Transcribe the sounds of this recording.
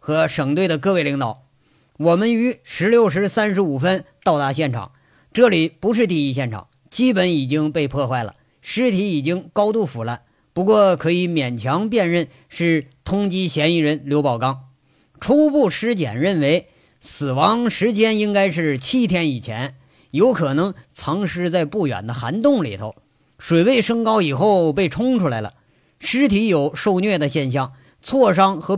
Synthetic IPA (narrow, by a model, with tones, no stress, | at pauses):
xɤ˧˥ʂɤ˨˩ŋt̪we˥˩ɪd̪ə˩k̬ɤ˥˧we˥˩ɪli˧˥ŋt̪ɑ˨˩˦ʊ | wɔ˨˩mə˦ny˧˥ʂɻ̩˧˥ljo˥˩ʊʂ̬ɻ̩˧˥sa˥nʂɻ̩˧˥u˨˩fə˥nt̪ɑ˥˧ʊt̪a˥˧ɕjɛ˥˩nʈ͡ʂʰɑ̰˨˩˦ŋ | ʈ͡ʂɤ˥˩li˨˩pu˧˥ʂ̬ɻ̩˥˧t̪i˥˧i˥˧˩ɕ̬jɛ˥˩nʈ͡ʂʰɑ̰˨˩˦ŋ | t͡ɕi˥pə˧˥ni˨˩t͡ɕi˥ŋpe˥˧ɪpʰɔ˥˧xwa˥˩ɪlə̰˩ | ʂɻ̩˥t̪ʰi˧˥i˨˩t͡ɕi˥ŋkɑ˥ʊt̪u˥˩fu˨˩la˥˩n | pu˧˥kwɔ˥˩kʰɤ˧˥i˧˥mjɛ˨˩nt͡ɕʰjɑ˧˥ŋpjɛ˥˧nɻə˥˧n | ʂɻ̩˥˩t̪ʰʊ˥ŋt͡ɕi˥ɕjɛ˧˥ni˧˥˩ɻə˧˥nljo˧˥ʊpɑ˨˩ʊkɑ˥ŋ | ʈ͡ʂʰu˥pu˥˩ʂɻ̩˥t͡ɕjɛ̰˨˩nɻə˥˩nwe˧˥ɪ | sɹ̩˨˩wɑ˧˥ŋʂɻ̩˧˥t͡ɕjɛ˥ni˥ŋka˥ɪʂɻ̩˥˩t͡ɕʰi˥˩t̪ʰjɛ˥ni˨˩t͡ɕʰjɛ̰˧˥n | jo˧˥ʊkʰɤ˨˩nɤ˧˥ŋt͡sʰɑ˧˥ŋʂɻ̩˥˧t͡sa˥˧ɪpu˥˩jɥɛ̰˨˩nd̪ə˦xa̰˧˥nt̪ʊ˥˩ŋlḭ˨˩t̪ʰo˧˥ʊ | ʂwe˨˩ɪwe˥˩ɪʂɤ˥ŋkɑ˥ʊi˨˩xo˥˩ʊpe˥˩ɪʈ͡ʂʰʊ˥ŋʈ͡ʂʰu˥la˧˥ɪlə̰˧ | ʂɻ̩˥t̪ʰi˧˥jo˨˩ʊʂo˥˧ʊnɥɛ˥˩d̪ə˩ɕjɛ˥˧nɕ̬jɑ˥˩ŋ | t͡sʰwɔ˥˩ʂɑ˥ŋxɤ˧˥